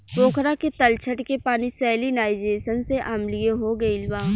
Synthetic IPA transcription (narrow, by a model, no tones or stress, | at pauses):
poːkʰɾaket̪ɐlt͡ʃʰəʈkepaːnisɛːlinaːɪd͡ʒeːsənseʔamlɪeɦoɡɐilʋaː